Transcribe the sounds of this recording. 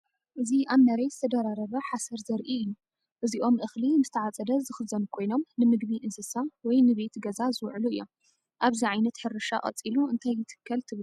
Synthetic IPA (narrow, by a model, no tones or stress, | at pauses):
ʔɨziʔaβnɐɾɐjzɨt̪ʰɐd̪ɐɾaɾɐβɐħasɐɾzɐɾʔiɨjːu | ʔɨziʔo̞mʔɨxlinɨzɨt̪ʰɐʕat͡sʼɐd̪ɐzɨxɨzɐnkʰo̞jno̞mnɨmɨɡbiʔɨzɨsawɔjnɨβe̞t̪ɡɐzazɨwʕluɨjːom | ʔaβziʕajnɐt̪ħɨɾɨʃa̰kʼɐ̰t͡sʼiluɨnt̪ʰajːɨt̪ʰɨ̥kːɐlt̪ʰɨβlu